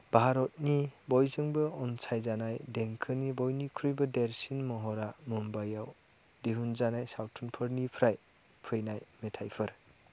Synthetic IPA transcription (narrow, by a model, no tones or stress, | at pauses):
b̥aɦaɾɔt̚nibɔjzɯŋbɯɔnsʰajzanajdeŋkʰɯnibɔjnikʰɾujbɯdeɾsinmɔɦɔɾamɯmbajaw | deɦunzanajsawtʰunpʰɯɾnipʰɾaj | pʰɯjnajmetʰajpʰɯɾ